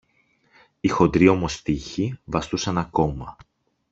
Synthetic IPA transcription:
ixo̞d̪ɾio̞mo̞st̪içivɐst̪usɐnɐko̞mɐ

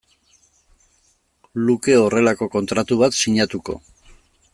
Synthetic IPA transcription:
luke̞o̞re̞lako̞ko̞nt̪ɾat̪uβat̪siɲat̪uko̞̰

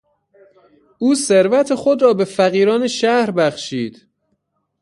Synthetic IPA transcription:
ʔuːseɾvæt̪ʰexo̞d̪ɾɒːbe̞fæɣiːɾɒːneʃæhɾbæχʃiːd̪̥

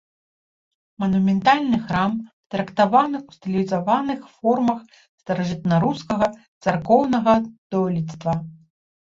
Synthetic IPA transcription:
mɐnumʲɛnt̪alʲnɨxɾam | t̪ɾɐkt̪avanɨxwst̪ɨlʲizavanɨxfɔrmɐx | st̪ɐɾɐʐɨt̪naɾuskɐɣɐt̪sarkɔwnɐɣɐd̪̥ɔlʲit̪st̪vɐ

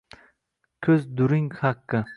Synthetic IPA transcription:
kʲʰɵzd̪ʊɾɪŋhaqːɨ

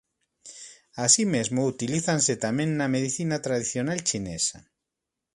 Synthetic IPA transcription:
asimezmout̪iliθanset̪amẽŋnameðiθinat̪ɾaðiθjonalt͡ʃinesa

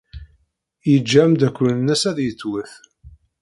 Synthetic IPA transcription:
jəd͡ʒːæmd̪ækʷːlnːæsæðjət͡sːwəθ

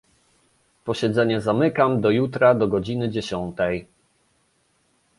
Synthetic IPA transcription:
pɔɕɛd̪zɛɲɛzamɘkamd̪ɔjut̪ɾad̪ɔɡɔd͡ʑinɘd͡ʑeɕɔnt̪ɛj

